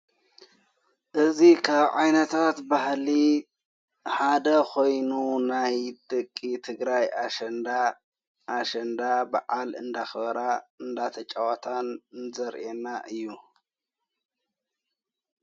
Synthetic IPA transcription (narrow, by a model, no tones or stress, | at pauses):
ʔɨzikʰaβʕajnɐt̪ʰat̪bahli | ħad̪ɐkʰo̞jnunajd̪̥ɐkʼːit̪ʰɨɡɾajaʃnd̪a | ʔːʃɐnd̪abaʕalɨnd̪axɨβɐɾaɨnd̪at̪ʰɐt͡ʃʼawat̪ʰanzɐɾʔenaʔɨjːu